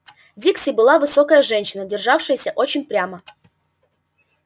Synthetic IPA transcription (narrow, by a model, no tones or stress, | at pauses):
dʲiksʲɪbɨlˠavɨsokəjəʐɛnʲɕɪnədʲɪrʐafʂɨjəsʲəʔot͡ɕɪnʲpɾʲamə